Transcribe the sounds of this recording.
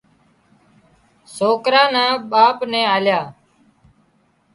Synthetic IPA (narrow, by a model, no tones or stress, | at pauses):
soːkɾaːnãːɓaːpnɛ̃ːaːljaː